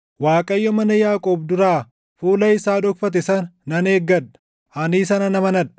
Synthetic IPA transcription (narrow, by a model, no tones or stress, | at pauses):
waːkʼɐjːɔmɐnɐjaːkʼoːbd̪ʊɾaː | fuːlɐɪsaːᶑɔkfɐt̪̬ɛsɐnːɐneːɡːɐᶑɐ̥ | ʔɐniːs̬ɐnɐnɐmɐnɐᶑɐ̥